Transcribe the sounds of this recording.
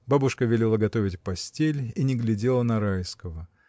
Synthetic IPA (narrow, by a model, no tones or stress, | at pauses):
babʊʂkəvʲɪlʲelˠaɡɐt̪ovʲɪtʲpɐsʲtʲelʲinʲɪɡlʲɪdʲe̞lˠənɐɾajskəvə